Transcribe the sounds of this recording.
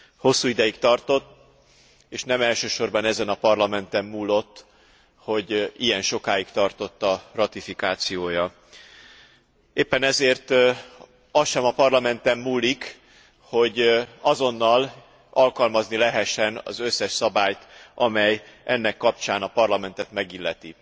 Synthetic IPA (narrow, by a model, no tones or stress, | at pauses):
ho̞sːuːid̪ɛjikt̪ɒrt̪o̞t̪ː | eːʃnɛmɛlʃøːʃo̞rbɒnɛzɛnɒpɒrlɒmɛnt̪ɛmːuːlːo̞t̪ː | ho̞ɟijɛnʃo̞kaːjikt̪ɒrt̪o̞t̪ːɒrɒt̪ifikaːt̪sijoːjɒ | eːpːɛnɛzeːrt̪ | ɒsʃɛmɒpɒrlɒmɛnt̪ɛmːuːlːik | ho̞ɟɒzo̞nːɒl | ɒlkɒlmɒznilɛɦɛʃːɛnɒ̰zøsːɛʃsɒbaːjt̪ɒmɛjʔɛnːɛkːɒp̚t͡ʃaːnɒpɒrlɒmɛnt̪ɛt̪mɛɡilːɛt̪i